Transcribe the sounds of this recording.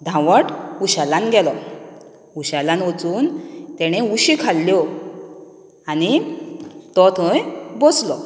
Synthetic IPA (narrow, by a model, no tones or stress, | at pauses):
d̪ʱãʋəʈuɕalanɡɛlɔ | uɕalãnʋɔt͡suːnt̪ɛɽ̃euɕikʰalːjɔ | añi | t̪ɔt̪ʰəjbɔslɔ